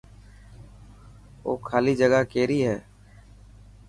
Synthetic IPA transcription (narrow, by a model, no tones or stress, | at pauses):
o̰ːkʰaːliːd͡ʒəɡaːkeːɾiːɦɛː